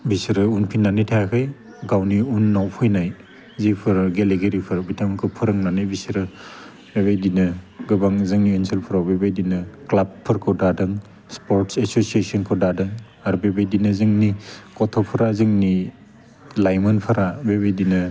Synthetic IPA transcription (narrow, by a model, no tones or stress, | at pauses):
bisɾɯunpʰinːanijtʰajakʰɯj | ɡawniunːawpʰɯjnaj | zipʰɯɾɡeleɡeɾipʰɯɾbitʰamkʰɯpʰɯɾɯŋnanɯjbisɾɯ | beβajdinɯɡɯbaŋzɯŋnienselpʰɯɾabebajdinɯklab̚pʰːɯɾkʰɯdadɯŋ | spoɾtsesosiesɔnkʰɔdadɯŋ | aɾubebejdinɯzɯŋnikɔtʰɔpʰɯɾazɯŋni | lajmɯnpʰaɾabeβejdinɯ